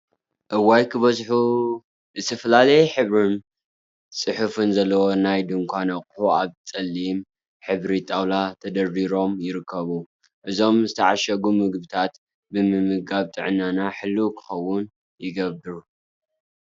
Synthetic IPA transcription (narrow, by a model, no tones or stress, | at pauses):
ʔɨwajkʰɨβɐzħu | zɨt̪ʰɐfɐlalɐjħɨβɾɨn | sʼɨħufɨnzɐlːɐwonajd̪ɨŋkʷʰanɐχʼħuaβtʼɐlːim | ħɨβɾit̪ʼawlat̪ʰɐd̪ɐɾiɾo̞mjɪɾɨkʰːɐβu | ʔɨzo̞mzɨt̪ʰɐʕaʃɐɡumɨɡbɨt̪ʰat̪ | bɨmɨmɨɡaβt̪ʼɨʕɨnːanaħɨlːukʰɨ̥xɐwːʊn | jɪɡɐbɨɾu